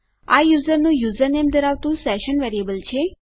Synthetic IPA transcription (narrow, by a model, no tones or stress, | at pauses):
ajuzəɾnũjuzəɾnemd̪əɾaʋt̪ũsɛʃənʋɛɾijəbəlt͡ʃʰe